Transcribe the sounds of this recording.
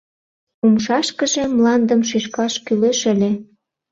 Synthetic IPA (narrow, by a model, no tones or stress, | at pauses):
umʃɑʃkə̆ʒĕmlɑnd̪əmʃ̬yʃkɑʃkyleʃə̆lʲĕ